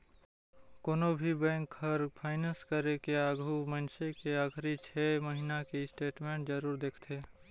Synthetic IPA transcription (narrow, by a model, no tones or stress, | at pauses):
koːnobʱibɛ̃ːŋkhɐɾpʰaːɪnə̃nskəɾekeaːɡʱumənʃekeaːkʰɾit͡ʃʰɛːməɦinakeɪsʈeːʈmẽːɳʈzəɾuːɾd̪eːkʰt̪ʰeː